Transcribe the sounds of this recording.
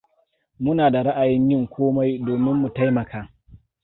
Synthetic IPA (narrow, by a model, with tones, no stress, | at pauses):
mʊ˦naː˨da˨ɽa˦ʔa˨jɪ˦ɲjɪ˦ŋkʷʰoː˦ma˦jdoː˨mɪ˦mːu˨ta˦jmɐ˨kʰaː˦